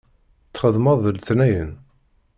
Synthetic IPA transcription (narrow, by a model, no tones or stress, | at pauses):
t͡sːχəðmɑðˤəlθnæjən